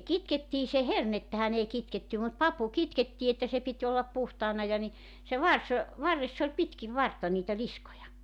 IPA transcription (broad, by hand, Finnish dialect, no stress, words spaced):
kitketːiː se hernetːæhæn ei kitketːæ mut pɑpu kitketːiː etːæ se pitʲ olːɑp puhtɑːnɑ jɑ ni se ʋɑrs ʋɑrːesː olʲ pitkiʋ ʋɑrtːɑ niːtæ liskojɑ